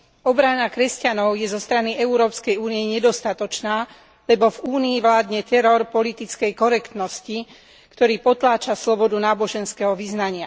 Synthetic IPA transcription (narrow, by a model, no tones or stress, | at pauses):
ɔbɾanakɾɛscanɔʊjɛzɔst̪ɾaniʔɛuɾɔːpskɛjuːnijɛɲɛd̪ɔst̪at̪ɔt͡ʃnaː | lɛbɔvuːniːʋlaːd̪ɲɛt̪ɛɾɔɾpɔlit̪it͡skɛjkɔɾɛkt̪nɔsci | kt̪ɔɾiːpɔt̪laːt͡ʃaslɔbɔd̪unaːbɔʒɛnskɛɦɔʋiznaɲɪa